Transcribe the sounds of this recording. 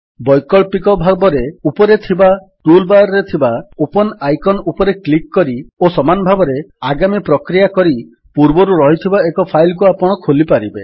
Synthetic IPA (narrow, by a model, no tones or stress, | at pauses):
bɔjkɔɭpikɔbʱabɔɾeupɔɾet̪ʰiba | ɾulbaɾɾet̪ʰibaopɔnajkɔnupɔɾeklikːɔɾiosɔmanɔbʱabɔɾeaɡamipɾɔkɾijakɔɾi | puɾbɔɾuɾɔɦit̪ʰibaekɔpʰajlk̬uapɔɽ̃ɔkʰolipaɾibe